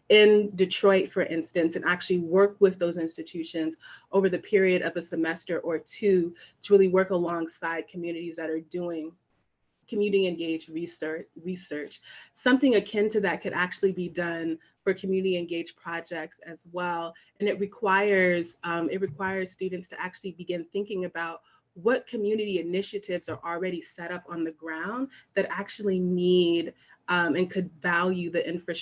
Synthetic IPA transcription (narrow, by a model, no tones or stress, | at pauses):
ɪ̃ndɨtʰɹ̥ɔɪtfə˞ʔɪ̃nstɨ̃nsɨ̃nʔæk̚t͡ʃʉl̩ˠiwɜ˞kwɪðoʊzɪ̃nstɨtʰʉʃɨ̃nzʔoʊvə˞ðɨpʰɪɹiɨɾʔʌvɨsɨmɛstə˞ʔə˞tʰʉtʰəɹɪlˠiwɜ˞kəlɔ̃ŋsaɪd̚kʰmjʉnɨɾizðɨɾə˞duɪ̃ŋ | kʰmjʉnɨɾiɨ̃nɡeɪd͡ʒɹisɜ˞t͡ʃɹisɜ˞t͡ʃsʌ̃mθɪ̃ŋɨkʰɪ̃ntʰɨðɨt̚kʰɨɾʔæk̚t͡ʃʉl̩ˠibidʌ̃n | fə˞kʰɨmjʉnɨɾiɨ̃nɡeɪ̥ʒ̥pʰɹ̥ɑd͡ʒɛk̚tsɨzwɛlˠ | ɨ̃nɨt̚ɹɨkʰw̥aɪə˞z̥ʌ̃mɨt̚ɹɨkʰw̥aɪə˞z̥stʉdⁿn̩tstʰɨʔæk̚t͡ʃʉl̩ˠibɨɡɪ̃nθɪ̃ŋkɪ̃ŋɨbaʊt̚ | wʌt̚kʰɨmjʉnɨɾiɨnɪʃɨɾɪvz̥ə˞ʔl̩ˠɹɛɾisɛɾʌpn̩ðɨɡɹãʊ̃nðɨɾæk̚t͡ʃʉul̩ˠinid | ʌ̃mɨ̃nkʰɨdvælˠjʉðiʔɪ̃ɱfɹɨs